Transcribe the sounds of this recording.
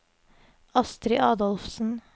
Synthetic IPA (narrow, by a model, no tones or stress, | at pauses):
ɑst̪ɾɪʔɑːd̪ɔlfsn̩